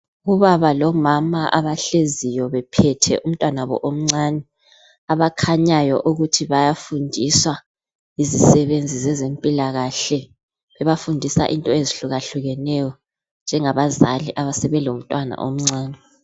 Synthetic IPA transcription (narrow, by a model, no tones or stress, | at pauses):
uβaβalɔmamaʔaβaɬezijɔβɛpʰɛtʰɛ̰ʔum̩tʼwanaβɔ̰ʔom̩ŋ͡ǀanɛ | aβakʰaɲajɔʔuɣutʰiβajafundʱiswa | izisɛβend͡zʱizɛzempʼilaɣaɬɛ | βɛβafundʱisa̰ʔintʼɔeziɬuɣaɬuɣɛnɛjɔ | nd͡ʒʱɛŋaβazaliʔaβasɛβɛloum̩tʼwana̰ʔo̰m̩ŋ͡ǀaːnɛ